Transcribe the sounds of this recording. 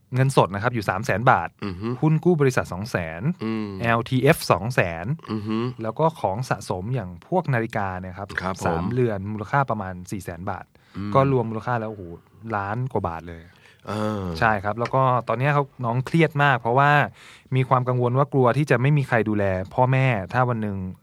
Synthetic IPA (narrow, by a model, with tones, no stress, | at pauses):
ŋɤ˧nso˨˩t̪̚na˦˥kʰa˦˥p̚juː˨˩saː˩˦msɛː˩˦nba̰ː˨˩t̪̚hu˥˩nkuː˥˩bɔː˧ɾi˦˥sa˨˩t̪̚sɔː˩˦ŋsɛː˩˦nʔɛː˧wt̪ʰiː˧ʔe˦˥fsɔː˩˦ŋsɛː˩˦nlɛː˦˥wkɔː˥˩kʰɔː˩˦ŋsa̰˨˩ʔso˩˦mjaː˨˩ŋpʰu˥˩ək̚naː˧li˦˥kaː˧ni˥˩ɐkʰa˦˥p̚ʰa˦saaː˨˩˦mɾɯ˧ənmuː˧la˧kʰaː˥˩pɾa˧maː˧nsiː˨˩sɛː˩˦nba̰ː˨˩t̪̚ | kɔː˥˩ɾu˧əmːuː˧la˧kʰaː˥˩lɛː˦˥ʔhoː˨˩˦ | laː˦˥nkwa˨˩ba̰ː˨˩t̪̚lɤː˧j | ʔaː˧t͡ɕʰa˥˩jkʰa˦˥p̚lɛː˦˥wkɔː˥˩t̪ɔː˧nːi˦˥ɐkʰa˦˥wnɔː˦˥ŋkʰli˥˩ət̪̚maː˥˩k̚pʰɾɔ˦˥waː˥˩miː˧kʰwaː˧mka˧ŋwo˧nwaː˥˩klu˧ɐt̪ʰiː˥˩t͡ɕa˨˩ma˥˩jmiː˧kʰa˧jduː˧lɛː˧pʰɔː˥˩mɛː˥˩t̪ʰaː˥˩wa˧nːɯ˨˧ŋ